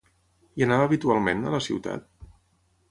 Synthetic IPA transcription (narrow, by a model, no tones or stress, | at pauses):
iənaβəːβit̪ualˠmenə̰ləsḭwt̪a̰t̪̚